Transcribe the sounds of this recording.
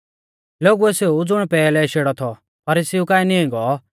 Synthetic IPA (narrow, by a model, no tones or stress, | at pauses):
loːɡuɛseud͡zʊɽ̃pɛːlɛʃeːɽɔt̪ʰɔ | pʰɐɾisiukaːɛniĩɡɔ